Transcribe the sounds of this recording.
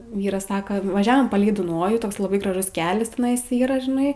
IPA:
ˈʋʲiːrɐs ˈsɑːkɐ ʋɐˈʒʲæːʋoːm ˈpɑːlʲɛɪ dʊˈnoːjuː ˈtoːks lˠɐˈbɐɪ ɡrɐˈʒʊs ˈkʲæːlʲɛs tʲɛˈnɐɪs ˈiːrɐ ʒʲɪˈnɐɪ

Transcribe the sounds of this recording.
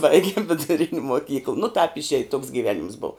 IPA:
ˈbɐɪɡʲɪm ʋʲɪdʊˈrʲɪnʲ moːˈkʲiːklˠ nʊ tɑːp ɪʃʲˈeːj toːks ɡʲiːˈʋʲæːnʲɪms boːw

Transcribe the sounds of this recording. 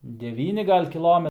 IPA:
dʲɛˈʋʲiːnʲɪ ˈɡɐlʲ kʲɪˈlˠoːmʲɛ

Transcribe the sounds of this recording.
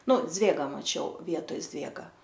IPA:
ˈnʊ ˈd͡zʲʋʲeːɡɑː mɐˈt͡ʃʲɛʊ ˈʋʲiɛtoːj ˈzʲʋʲeːɡɐ

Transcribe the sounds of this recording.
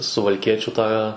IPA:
sʊʋɐlʲˈkʲiɛt͡ʃʲuː tɑː

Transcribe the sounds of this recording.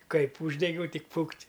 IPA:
ˈkɐɪp ˈuːʒʲdʲɛɡʲɛʊ ˈtʲɪk ˈfʊktʲ

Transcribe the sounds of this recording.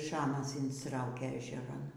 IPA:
ˈʃɑːmɐs ɪnstˈrɐʊkʲeː ɛʒʲɛˈrɐn

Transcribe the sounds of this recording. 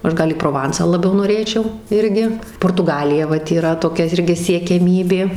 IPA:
ˈɐʃ ˈɡɐlˠ iː proːˈʋɐnsɑː lˠɐˈbʲɛʊ noːˈrʲeːt͡ʃʲɛʊ ˈɪrʲɡʲɪ poːrtʊˈɡɑːlʲɪjɛ ˈʋɐt iːˈrɐ toːˈkʲɛ ˈɪrʲɡʲɪ sʲiɛkʲɛˈmʲiːbʲeː

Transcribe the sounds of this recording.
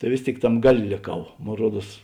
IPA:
tɐɪ ˈʋʲeːs ˌtʲeːɪk ˈtɐm ˈɡɑːˌlʲeː lʲeːˈkɐʊ ˈmoːn ˈruɔˌduɔs

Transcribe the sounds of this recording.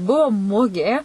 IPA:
ˈbʊʋoː ˈmʊɡʲeː

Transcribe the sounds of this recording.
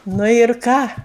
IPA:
ˈnʊ ɪr ˈkɑː

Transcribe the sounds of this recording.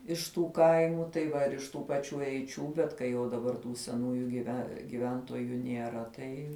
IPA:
ɪʃ ˈtuː ˈkɐɪmʊ tɐɪ ˈʋɐ ɪr ɪʃ ˈtuː pɐˈt͡ʃʲuː ɛɪˈt͡ʃʲuː bʲɛt kɐɪ ˈjɛʊ dɐˈbɐr tuː sʲɛˈnuːjʊ ɡʲɪˈʋʲɛ ɡʲɪˈʋʲɛntoːjʊ nʲiɛˈrɐ ˈtɐɪ

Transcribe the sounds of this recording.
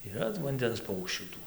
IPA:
iːˈrɐ ʋɐnʲˈdʲɛns ˈpɐʊkʃʲt͡ʃʲuː ˈtuː

